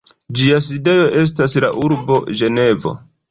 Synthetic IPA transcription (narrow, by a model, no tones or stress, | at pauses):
d͡ʒias̬ide̞jo̞ʔe̞s̬taslaʔuɾbo̞ʒe̞ne̞vo̞̰